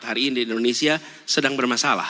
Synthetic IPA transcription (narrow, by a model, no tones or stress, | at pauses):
t̪haɾiːnidiːndonesia | sədaŋbərmasala̰h